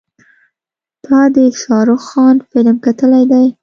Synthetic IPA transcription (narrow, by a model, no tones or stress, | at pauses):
t̪ɑd̪əʃɑɾʊxxɑnfɪlmkat̪əlajd̪aj